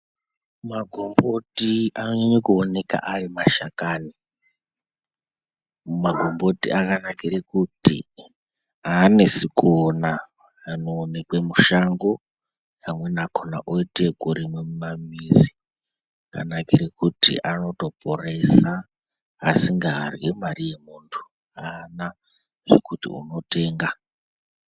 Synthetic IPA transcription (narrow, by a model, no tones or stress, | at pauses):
maɡʱombotianoɲaɲekuone̞ka̰ʔarimaʃakaːni | maɡʱo̞mbo̞tḭʔakanakiɾekutḭ | anesikʰonaː | noːnekwemuʃaŋɡo̞ | kamwe̞nakʰona̰ʔoitekuɾimwemumamizi | aka̰nakiɾekutḭʔano̞to̞pʰore̞saː | siŋɡaːrwimarije̞muntʰu̥ | ana | ʐekutḭṵno̞te̞ːŋɡa